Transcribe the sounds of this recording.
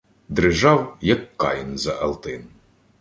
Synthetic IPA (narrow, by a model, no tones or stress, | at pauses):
d̪ɾɪʒɑwjɐkːɑ̰jnzɐʔɐlˠt̪ɪn